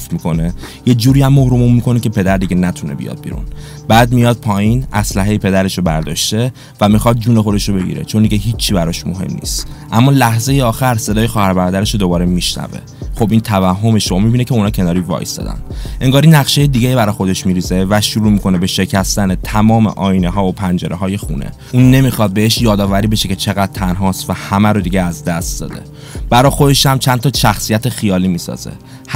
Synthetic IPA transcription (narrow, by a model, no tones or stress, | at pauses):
fmiko̞ne̞ | je̞d͡ʒuːɾiæmːohɾomumːikʰo̞necʰe̞pe̞d̪æɾd̪iɟenæt̪ʰunebḭjɒ̰d̪̚bḭɾṵn | b̥æːd̪̚mijɒd̪̥̚pʰɒːjinʔæslæɦejipʰe̞d̪æɾe̞ʃobæɾd̪ɒ̰ːʃt̪e̞ | væmixɒd̪̚d͡ʒuːne̞xo̞d̪eʃɾobe̞ɟḭɾe̞̰t͡ʃʰo̞nd̪iɟeɦiːt͡ʃʰːibæɾɒʃmo̞̰ɦe̞̰mnḭːst̪ʔæmːɒːlæhze̞jeɒːxæɾse̞d̪ɒːje̞xɒːhæɾbæɾɒːd̪æɾeʃod̪o̞bɒːɾe̞miʃnæ̰vḛ | xobʔiːnt̪ʰævæɦːo̞me̞ʃomibinecʰeunɒːcʰe̞nɒːɾivɒ̰ːjsd̪ɒ̰d̪æ̰nʔe̞ŋɡɒːɾinæχʃe̞jed̪iɡejibæɾɒjxod̪e̞ʃmiɾiːze̞væʃuɾuːmikʰo̞nebe̞ʃe̞cʰæst̪ænet̪ʰæmɒːmḛʔɒːjineɦɒːvopʰænd͡ʒe̞ɾʔeɦɒːje̞xṵnʔḛ | uːnːe̞mixɒd̪̚be̞eʃjɒːd̪ɒːvæɾiːbe̞ʃece̞t͡ʃʰe̞ɣæd̪̥̚t̪ʰænɦɒːst̪væhæmæɾod̪iɟeæzd̪æst̪̚d̪ɒ̰ːd̪e̞̰ | b̥æɾɒːxo̞d̪e̞ʃæmt͡ʃʰænt̪ʰɒʃæxsijæt̪ʰexijɒːliːmiːsɒ̰ːzḛ | h